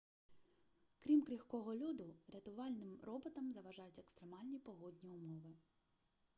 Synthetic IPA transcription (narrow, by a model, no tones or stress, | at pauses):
kɾʲimkɾʲixkɔɦɔlʲud̪ʊɾʲɐt̪ʊʋɑlʲnɪmɾɔbɔt̪ɐmzɐʋɐʒɑjʊtʲekst̪ɾemɑlʲnʲipɔɦɔdʲnʲiʊmɔʋɪ